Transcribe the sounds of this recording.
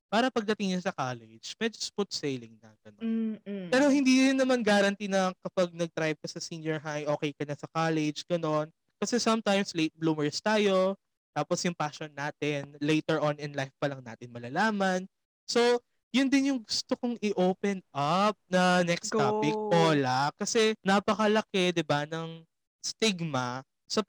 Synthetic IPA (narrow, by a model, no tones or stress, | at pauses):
paːɾɐpɐɡ̚d̪ɐt̪ɪŋɲɐsɐkaːlɛd͡ʒmɛd͡ʒosput̪̚sejlɪŋnɐ̰ɡ̥ɐnonpɛːɾo̞hɪnd̪iːɾɪnːɐmanɡaːɾɐnt̪inɐkɐpɐɡ̚nɐɡ̚t̪ɾajb̚kɐsɐsinjɛɹɦajʔo̞ːkɛjkɐnɐsɐkalɛd͡ʒɡ̥ɐno̞n | kɐsɛsɐmt̪ajmslejt̪̚bluːmɛɹst̪aːjo̞ | t̪aːposjʊŋpaʃɔnːaːt̪ɪnlejt̪ɛɹʔonɪnlajfpɐlɐŋna̰ːt̪ɪnmɐlɐlaːmɐn | so̞ | jʊnd̪ɪnjʊŋɡʊst̪okoŋɪʔoːpɛnʔɐp̚nɐnɛksaːpɪk̚oːlakɐsɛnɐpɐkɐlɐkɛd̪ɪbanɐŋ | st̪ɪɡmɐ | sɐ